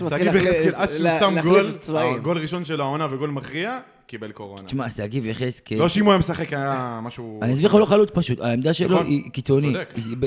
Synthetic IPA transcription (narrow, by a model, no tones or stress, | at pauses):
aivekelad̪ʃamɡoolt͡svaiɡo̞lʁiʃonʃelaonaveɡo̞lmaχʁia | kibelkoʁonat͡ʃmaseaɡiveχeskeloʃimojamesaχekajamaʃuaniazbiχaloχalut͡spaʃut̪a̰emd̪aʃḛloʔikit͡soni